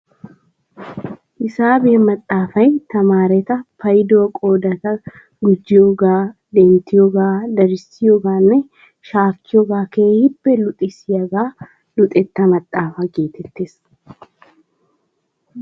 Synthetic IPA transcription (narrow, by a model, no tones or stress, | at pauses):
ʔɪsaːbeːmɐt̪ʼːaːfɐjt̪ɐmaːɾɛt̪ɐpɐjd̪oːkʼo̞ːd̪ɐt̪ɐ | ɡʊd͡ʒːɪjoːɡaːd̪ɛnt̪ːɪjoːɡaːd̪ɐɾɪsɪjoɡaːnːɛ | ʃaːkːɪjoɡaːkeːhɪbːɛlʊt̪ʼɪsɪjɐɡaː | lʊt̪ʼɛt̪ːɐmɐt̪ʼːaːfɐɡe̞ːt̪ɛt̪ːe̞ːs